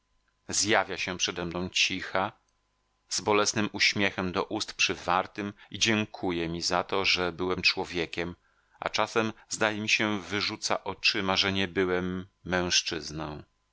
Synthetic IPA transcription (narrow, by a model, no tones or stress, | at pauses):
zjavʲjaɕɛ̃pʂɛd̪ɛmnɔ̃w̃t͡ɕixa | zbɔlɛsnɘmuɕmʲjɛxɛmd̪ɔʔust̪pʂɘvaɾt̪ɘmid͡ʑɛŋkʰujɛmʲizat̪ɔʐɛbɘwɛmt͡ʂwɔvʲjɛkʲɛm | a̰t͡ʂasɛmzd̪ajɛmʲiɕɛvɘʐut̪sa̰ʔɔt͡ʂɘmaʐɛɲɛbɘwɛmːɛ̃w̃ʂt͡ʂɘznɔ̃w̃